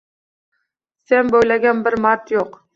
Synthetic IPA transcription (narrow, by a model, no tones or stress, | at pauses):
senbojlaɡʲanbɪɾmaɾt̪joq